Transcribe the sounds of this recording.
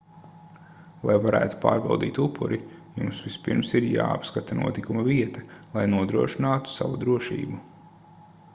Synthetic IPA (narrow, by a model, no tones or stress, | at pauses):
lˠʔa̰jvaɾæ̰ːt̪u̥pa̰ːɾbɛlˠd̪iːt̪upʰːṵɾʔijumsʋispiɾmsiɾja̰ːa̰pskat̪anṵɔt̪ikumɐviɛt̪ɐlˠajnuɔd̪ɾuɔʃinaːt̪u̥sa̰vud̪ɾuɔʃḭːbu